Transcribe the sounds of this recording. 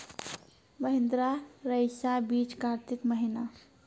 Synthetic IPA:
bəɦɪ̃nd̪ɾaɾəjsabiːt͡ʃkaɾt̪ikməɦina

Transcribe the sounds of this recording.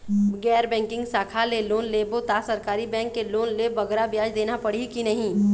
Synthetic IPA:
ɡɛːɾbɛ̃ːŋkɪ̃ŋɡsaːkʰaleloːnleːbot̪asɐɾkaːɾibɛ̃ːŋkːeloːnleːbɐɡɾabjaːd͡ʒd̪eːnapɐɽikinɐɦĩː

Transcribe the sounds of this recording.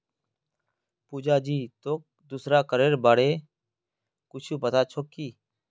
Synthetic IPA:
puːd͡ʒaːd͡ʒiːt̪oːk̚d̪ʊsɾaːkəɾeːɾbaːɽeː | kʊt͡ʃʰuːpət̪aːt͡ʃʰoːkiː

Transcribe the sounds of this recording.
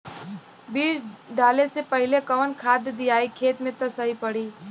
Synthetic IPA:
biːsɖaːlesepɐɦɪlekɐʋənkʰaːd̪d̪ijaːikʰeːt̪mẽt̪ɐsɐɦipɐɽiː

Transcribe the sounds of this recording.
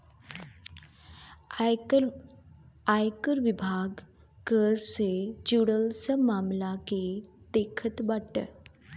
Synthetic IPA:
ajkəɾʋibʱaːɡ | kəɾsed͡ʒuɽəlsəmaːmlake | d̪eːkʰət̪bəʈ

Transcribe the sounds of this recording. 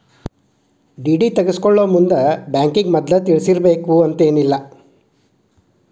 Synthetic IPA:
ɖiːɖiːt̪ɐɡeskoɭːoːmund̪ɐbjaːŋkiŋɡmɐd̪ːɐt̪iɭisiɾɐbe̞ːkuɐnt̪e̞ːnilːɐ

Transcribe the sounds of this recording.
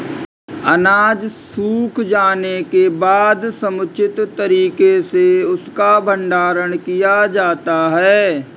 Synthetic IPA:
ɐnaːd͡ʒsuːkʰd͡ʒaːnekebaːd̪sɐmʊt͡ʃʰɪt̪t̪ːəɾiːkeseʊskabʱə̃ɳɖaːɾəɽ̃kijad͡ʒaːt̪aɦɛː

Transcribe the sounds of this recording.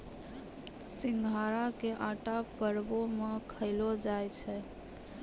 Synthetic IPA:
siŋɡʱaɾakeʔaʈapəɾbomekʰəɪlod͡ʒajt͡ʃʰɛ

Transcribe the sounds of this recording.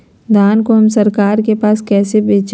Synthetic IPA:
d̪ʱaːnkoɦɐmsɐɾkaːɾkepaːskɛːsebeːt͡ʃ

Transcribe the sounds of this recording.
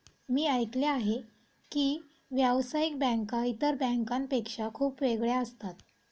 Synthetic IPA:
miːajkleaɦe | kiː | ʋjaʋsaik̚bɛ̃ŋkait̪əɾbɛ̃ŋkãmpekʂakʰuːpʋeɡɭjaəst̪at̪

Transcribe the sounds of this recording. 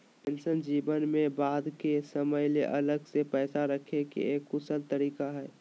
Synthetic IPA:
pɛ̃nsənd͡ʒiːbənmẽbaːd̪kesəməjleʔɐləɡsepɛːsaɾəkʰekḛeːkːʊsəlt̪əɾiːkaɦɛː

